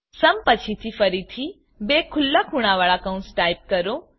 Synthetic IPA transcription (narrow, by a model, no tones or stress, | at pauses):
səmpət͡ʃʰit̪ʰifəɾit̪ʰi | bekʰʊlːakʰuɽ̃aʋaɭakə̃ũsʈajp̚kəɾo